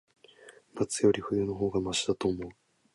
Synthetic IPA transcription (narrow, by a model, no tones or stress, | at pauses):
mat͡sɨjo̞ɾʲiɸɯ̟jɯːno̞ɦo̞ːɡamaɕid̪at̪o̞ːmo̞ɯ